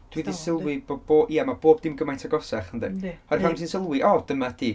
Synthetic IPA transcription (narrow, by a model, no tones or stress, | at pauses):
d̥widisɪlˠwɪboboːiamaboːb̚dɪmɡəmajntʰaɡɔsɛχəndɛ̰ɔramsinsɪlˠwɪʔɔd̥əmad̥iː